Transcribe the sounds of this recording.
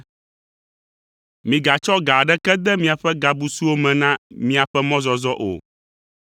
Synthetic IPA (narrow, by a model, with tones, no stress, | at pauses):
mĩ˨ɡa˨t͡ʃɔ˦ɡa˨ɖɛ˦kɛ˦d̪ɛ˦mĩ˦a˨ɸɛ˦ɡa˨bu˨su˦wo˦mɛ̃˨nã˦mĩ˦a˨ɸɛ˦mɔ̃˦zɔ˨zɔ˦ʔo̰˨